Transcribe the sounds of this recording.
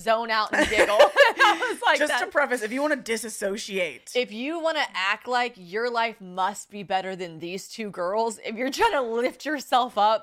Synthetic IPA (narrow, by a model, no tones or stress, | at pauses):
zõʊ̃naʊʔn̩ɪɡl̩ˠʌzlaɪd͡ʒʌstəpʰɹ̥ɛfɨsɨfjɨwɑ̃ñɨdɪsɨsoʊʃieɪt̚ɪfjɨwɑ̃ñɨʔæk̚tˡlaɪkjə˞laɪfmʌst̚b̥ibɛɾə˞ðɨ̃nðiz̥tʰʉɡɜ˞lˠzɪ̰fjə˞tʰɹ̥ãɪ̃nəlɪft͡ʃə˞sɛlˠfʌp̚